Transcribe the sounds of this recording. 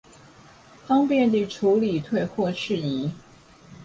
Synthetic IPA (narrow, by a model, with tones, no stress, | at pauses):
fɑ˥ŋpjɛ˥˧nt̪i˨˩ʈ͡ʂʰu˧˥li˨˩t̪ʰwe˥˧ɪxwɔ˥˧ʈ͡ʂʰɻ̩˥˩i˧˥˦